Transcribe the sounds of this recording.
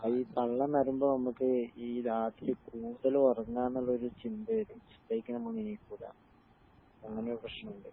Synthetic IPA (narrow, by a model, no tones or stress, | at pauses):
ɐiːp̪ɐɭːɐnɐɾumboːnɐmːukːɨiːɾaːt̪ːilɨkuːɽuðɐlorɐŋːaːnːuɭːɐo̞ɾut͡ɕind̪ɨðut͡ɕi̥ɐikʲːɨnɐmːuɳinikːuːɽa̰ː | ɐŋːɐneoɾuprɐʂɐɳɐmuɳɖɨ